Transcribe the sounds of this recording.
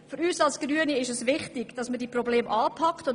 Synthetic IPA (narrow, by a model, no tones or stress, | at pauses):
fyɾyːsɑlsɡ̥ryəniɪʃɛsʋɪχtɪɡ̥d̥ɑsmədiprobleːmʔɑːpʰɑktʊn